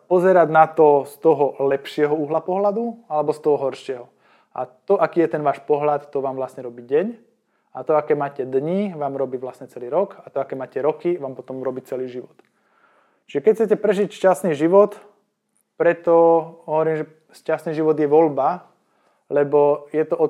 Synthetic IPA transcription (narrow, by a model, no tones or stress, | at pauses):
pɔzɛɾaɟnat̪ɔst̪ɔɦɔlɛpʃɪɛɦɔuɦlapɔɦlad̪ualɛbɔst̪ɔɦɔɦɔɾʃɪɛɦɔ | ʔa̰t̪ɔʔakiːjɛt̪ɛnʋaːʃpɔɦlat̪ːɔʋaːmʋlasɲɛɾɔbiɟɛɲ | at̪ɔakɛːmaːcɛd̪ɲiʋaːmɾɔbiːʋlasɲɛt͡sɛliːɾɔkat̪ɔakɛːmaːcɛɾɔkiʋaːmpɔt̪ɔmɾɔbiːt͡sɛliːʒiʋɔt̪ | t͡ʃiʒɛkɛcxt͡sɛcɛpɾɛʒicʃcasniːʒiʋɔt̪ | pɾɛt̪ɔɦɔʋɔɾiːmʒɛ | ʃcasniːʒiʋɔd̪jɛʋɔlba | lɛbɔjɛt̪ɔʔɔ